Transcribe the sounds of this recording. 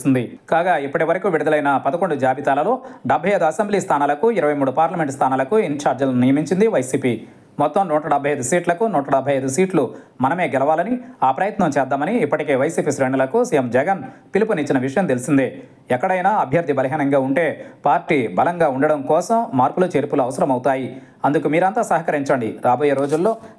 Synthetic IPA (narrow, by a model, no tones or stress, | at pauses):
sind̪i | kaːɡaːipːɐʈiʋɐɾɐkuːʋiɽid̪ɐlɐjnɐpɐd̪ɐkoɳɖud͡ʒaːbit̪aːlɐlo̞ːɖɐbʱɐjɐjd̪uɐsembliːst̪ʰaːnaːlɐkuiɾɐʋɐjmuːɽupaːɾlɐme̞ɳʈst̪ʰaːnaːlɐkuiɲt͡ʃaːɾd͡ʒɐlnijɐmiɲt͡ʃind̪iʋɐjsiːpi | mɔt̪ːɐmnɔːʈɐɖɐbʱɐjɐjd̪usiːʈlɐkunɔːʈɐɽɐbʱːɐjɐjd̪usiːʈlumɐnɐme̞ːɡɛlɐʋaːlɐniaːpɾɐjɐt̪nɐmt͡ʃɛːd̪ːaːmɐniːpːɐʈike̞ːʋɐjsiːpiːsɾeːɳulɐkusijemd͡ʒɛɡɐnpilipunit͡ʃːinɐʋiʂɐjɐmt̪elisind̪eː | ɛkːɐɽɐjnaːɐbʱjɐɾd̪ʱibɐlɐɦiːnɐŋɡaːuɳʈe̞ːpaːɾʈiːbɐlɐŋɡaːuɳɖɐɽɐmkɔːsɐmːaːɾpulut͡ʃeːɾpuluɐʋɐsɐɾɐmɐwut̪aːji | ɐnd̪ukumiːɾɐnt̪aːsɐɦɐkɐɾiɲt͡ʃɐɳɖiɾaːboːjeːɾo̞ːd͡ʒulːo̞ː